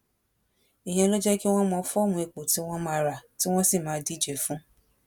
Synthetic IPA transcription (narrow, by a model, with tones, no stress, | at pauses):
i˨j̃ɛ̃˧lo˦d͡ʒɛ˦ki˦w̃ɔ̃˦mɔ̃˧˦fɔ˦˨mũ˧e˧k͡po˨ti˨˦w̃ɔ̃˦mãː˦˧ɾa˨ti˦w̃ɔ̃˦si˦˨mãː˨˦di˦˨d͡ʒɛ˨fũ˦